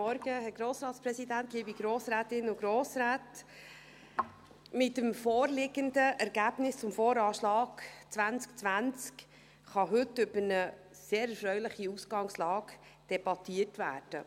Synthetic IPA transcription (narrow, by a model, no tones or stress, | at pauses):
ɔɾɡəhɛɡ̥ɾoːsɾɑːtspɾɛsidæntliːbiɡ̥ɾoːsɾæːtɪnʊɡɾoːsɾæːt | mɪtəmfoːɾlɪɡəndəʔɛɾɡ̥æːb̥nɪst͡sʊmfoːɾɑːʃlɑːɡ̥t͡sʋænt͡skt͡sʋænt͡sk | χɑɦʏtːʏb̥ənə | seːɾɛɾfɾœɥlɪχiusɡɑŋslɑːɡ | d̥ɛb̥ɑtiətvæ̰ːrd̥ə̰